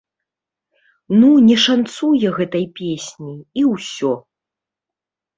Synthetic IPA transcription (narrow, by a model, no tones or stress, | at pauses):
nunʲɛʂant̪sujɛɣɛt̪ɐjpʲesʲnʲiiwsʲɔ